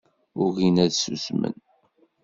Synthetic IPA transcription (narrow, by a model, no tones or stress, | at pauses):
ʊɣinæðsusmə̰n